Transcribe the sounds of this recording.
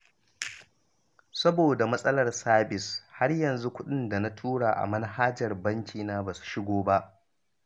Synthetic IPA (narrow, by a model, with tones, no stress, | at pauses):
sɐ˦boː˨da˨mɐ˦sʼɐ˦lɐ˨rsaː˦bɪ˨sha˦rjɐ˨nzu˦kʷʊ˦ɗɪ˦nda˨na˦tʰuː˦ɽaː˨ʔa̰˨mɐ˦n˦haː˦d͡ʒɐ˨rbɐ˦ŋkʲiː˨naː˦baː˨su̥˨ʃɪ˦ɡʷoː˦ba˦ʔ